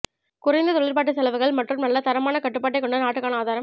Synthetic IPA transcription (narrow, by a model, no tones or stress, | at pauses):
kʊrɐɪnd̪ɐt̪ɔɭɪɾpaːʈ̬ːɯsɛlɐʋɯɣɐɭmɐʈrɯmnɐlːɐt̪ɐɾɐmaːnɐkɐʈːɯpːaːʈ̬ːɐɪkɔɳɖɐnaːʈːɯkːaːnɐaːðaːɾɐm